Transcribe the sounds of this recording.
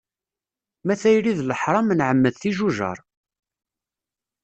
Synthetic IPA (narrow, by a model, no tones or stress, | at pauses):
mæθæjliðləħɾˤɑmnʕəmːəðθiʒuʒə̰ɾˤ